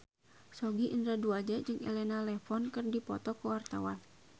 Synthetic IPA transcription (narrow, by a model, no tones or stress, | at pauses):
sɔɡiʔind̪ɾaduad͡ʒɛd͡ʒɨŋʔɛ̰lɛnalɛfɔnkɨrdipɔ̰t̪ɔkuwart̪awan